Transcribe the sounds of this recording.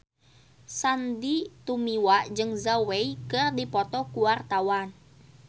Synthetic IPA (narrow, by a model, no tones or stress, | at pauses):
sandit̪umiwaʔd͡ʒɨŋzaweikɨrdipɔt̪ɔkuwart̪awan